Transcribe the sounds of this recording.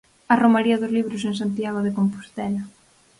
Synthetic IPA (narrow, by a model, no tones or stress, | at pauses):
ɐromaɾiɐðʊzliβɾʊseŋs̬ant̪jaɣ̞oðekompu̥st̪ɛlɐ